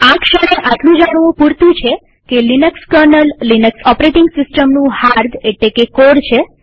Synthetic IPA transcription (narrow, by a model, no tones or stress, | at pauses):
akʃəɽ̃eʔaʈlũd͡ʒaɽ̃ʋũpuɾt̪ũt͡ʃʰe | kelinəkskəɾnəlːinəksɔpɾeʈɪŋɡsɪsʈəmnũhaɾd̪ʱeʈlekekoɽt͡ʃʰe